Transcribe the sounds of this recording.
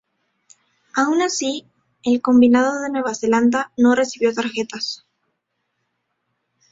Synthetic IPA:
aunasi | elko̞mbinaðo̞ðe̞nwe̞βase̞land̪ano̞re̞siβjo̞t̪aɾxe̞t̪as

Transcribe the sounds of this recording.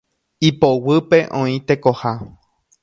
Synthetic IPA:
ipowɨpe̞ʔõĩt̪e̞ko̞ha

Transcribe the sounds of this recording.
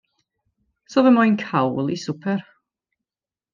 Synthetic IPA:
sɔðəmajnkʰawlˠisʊpʰɛr

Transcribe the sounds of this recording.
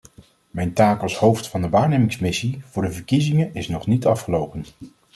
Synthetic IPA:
mɛjntaːkɑlˠshowftfɑndəʋaːɹnejmɪŋsmɪsivʊːɹdəvəɹkizɪŋənɪsnɔχnitɑfχəlowpən

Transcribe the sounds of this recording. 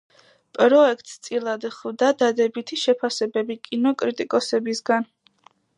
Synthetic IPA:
pʼɾɔɛkʰt̪ʼst̪sʼilˠad̪ɛχvd̪ad̪ad̪ɛbit̪ʰiʃɛpʰasɛbɛbikʼinɔkʼɾit̪ʼikʼɔsɛbisɡan

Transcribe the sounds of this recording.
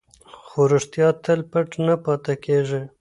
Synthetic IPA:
xoɾuʂt̪jɑt̪əlpəʈnapɑt̪akeʐe

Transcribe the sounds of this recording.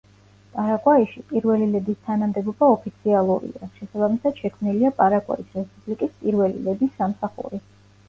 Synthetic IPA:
pʼaɾakʼwaiʃipʼiɾvɛlilɛd̪ist̪ʰanamd̪ɛbɔbaɔpʰit̪sʰialˠuɾḭaʃɛsabamisad̪̥ʃɛkʰmniliapʼaɾakʼwa̰isɾɛspʼublikʼispʼiɾvɛlḭlɛd̪isːamsaχṵɾi

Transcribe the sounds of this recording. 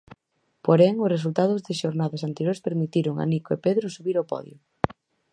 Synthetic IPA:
poɾɛŋʊsres̬ult̪aðʊzðɪʃoɾnaðasant̪eɾjoɾespeɾmit̪iɾʊŋa̰nikoepeðɾʊsuβiɾopɔ̰ðjʊ̰

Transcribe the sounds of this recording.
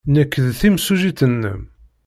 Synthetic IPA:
nækːəðθimsuʒit̪ənːə̰m

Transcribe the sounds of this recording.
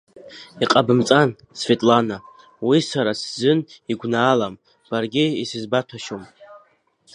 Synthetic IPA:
iqʼabɨmt͡sʼan | sve̞tʼlana | wisaɾaszɨniɡʷnaːlam | b̥arɡʲiisɨzbatʷʰaʃom

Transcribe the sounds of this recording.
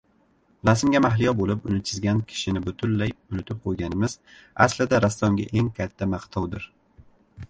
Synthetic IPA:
lasɪmɡʲamaɦlɪjɒbolɪpʊnɪt͡ʃʰɪzɡʲankʲʰɪ̥ʃɪnɪbʊt̪ʰʊnlajʊnɪt̪ʰɪp̚qʰojɡʲanɪmɪza̰slɪd̪aɾast̪ɒŋɡʲa̰ʔe̞ŋkʲʰat̪ʰːamaqt̪ʰɒwd̪ɪɾ

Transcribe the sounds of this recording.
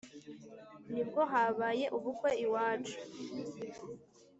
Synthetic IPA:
nib̚ɡo̞ɦaːβaːje̞ʔuβukwe̞iwaːt͡ʃu̥

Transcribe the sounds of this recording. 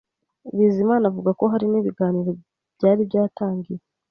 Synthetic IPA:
βiːzimaːnavuɡako̞ɦaɾiniːβiɡaːniɾo̞ | bɟaːɾibɟaːtaːŋɡije

